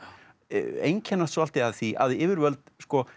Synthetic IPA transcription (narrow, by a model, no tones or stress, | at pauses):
ḛjɲcʰɛnːat̪sɔalt̪ɪaðθiʔa̰ðɪɪːvɪɾvœlt̪skɔ